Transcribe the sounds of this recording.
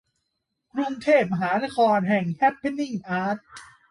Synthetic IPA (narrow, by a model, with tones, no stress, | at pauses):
kɾu˧ŋt̪ʰeː˥˩p̚ma˧ɦaː˩˦na˦˥kʰɔː˧nɦɛ˨˩ŋkʰɛ˦˥p̚ʰːe˦˥nːi˥˩ŋʔaː˦˥t̪̚